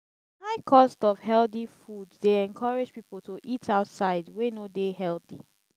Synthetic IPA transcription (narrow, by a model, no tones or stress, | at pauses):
aɪkʰɔstɔv̥hɛlθifuddeɛ̃nkʰɔɹɪd͡ʒpipl̩ˠtoʔitʰaʊtsaɪdwenodehɛlˠθḭ